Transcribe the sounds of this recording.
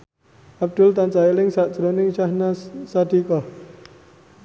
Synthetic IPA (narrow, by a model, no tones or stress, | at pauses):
ʔab̚d̪̥ʊlt̪ant͡ʃailɪŋsaʔd̥d͡ʒ̥ɾonɪŋʃahnasad̪̥ikɔh